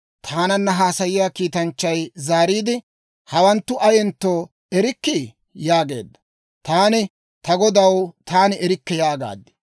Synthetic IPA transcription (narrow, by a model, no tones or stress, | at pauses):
t̪ʰaːnɐnːɐɦaːsɐjɪjaːkiːt̪ɐnt͡ʃːɐjzaːɾiːd̪ɪ | hɐwɐnt̪ːʊʔɐjɛnt̪ːoː | ɛɾɪkːɪ | jaːɡe̞̰ːd̪ːɐ̥ | t̪aːnɪ | t̪ɐɡɔd̪ɐwt̪ʰaːnɪɛɾɪkːɛjaːɡa̰ːd̪ːɪ̥